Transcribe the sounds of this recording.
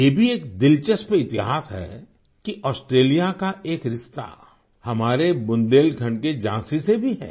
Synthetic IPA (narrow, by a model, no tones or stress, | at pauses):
jebʱieːk̚d̪ɪlt͡ʃəspeɪt̪ɪɦaːsɦɛ̰ː | kiʔɔːsʈɾeːlijakaʔeːkɾɪʃt̪a̰ | hɐmaːɾebʊ̃nd̪eːlkʰɐɳked͡ʒãːsisebʱiɦɛ̰ː